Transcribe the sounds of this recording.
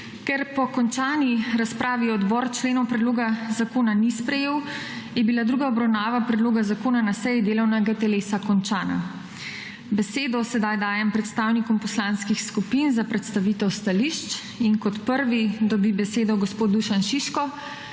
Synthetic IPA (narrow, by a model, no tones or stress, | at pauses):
kɛɾpɔkɔnt͡ʃaːniɾaspɾʔaːʋiɔd̪bɔɾt͡ʃleːnɔwpɾɛd̪loːɡazakoːnanispɾɛjeːwjɛbilad̪ɾuɡaɔbɾawnaːʋapɾɛd̪loːɡazakoːnanasɛjid̪eːlɔwnɛɡat̪ɛleːsakɔnt͡ʃaːna̰ | bɛseːd̪ɔsɛd̪ajd̪aːjɛmpɾɛt̪st̪aːwnikɔmpɔslanskixskupinzapɾɛt̪st̪aʋit̪ɛwst̪aliʃt͡ʃ | inkɔt̪pəɾʋid̪ɔbibɛseːd̪ɔɡɔspoːd̪̚d̪uʃanʃiʃkɔ